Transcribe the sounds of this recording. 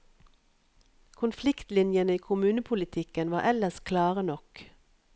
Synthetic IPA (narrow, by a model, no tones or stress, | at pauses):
kʰʊnflɪkt̪lɪnjənəiːkʰʊmʉːnəpʰʊlɪt̪ʰɪkənʋɑːʁʔɛləskʰlɑːʁənɔk